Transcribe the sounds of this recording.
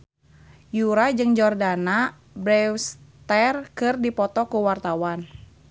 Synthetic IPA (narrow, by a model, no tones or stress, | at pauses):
juɾad͡ʒɨŋd͡ʒɔrdana | bɾɛwst̪ɛrkɨrdipɔt̪ɔkuwart̪awan